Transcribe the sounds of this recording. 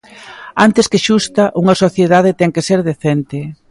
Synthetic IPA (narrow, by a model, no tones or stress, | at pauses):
ant̪ɪskɪʃust̪ɐʔuŋɐsoθjeðað̞et̪ɛŋkeseɾðeθent̪ɪ